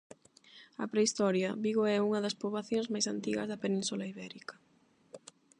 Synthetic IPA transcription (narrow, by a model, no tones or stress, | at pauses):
ɐpɾeist̪ɔɾjɐβiɣoɛuŋɐðɐspoβlaθjõŋzmajsant̪iɣɐ̰zðɐpenĩnsulaiβɛɾikɐ̥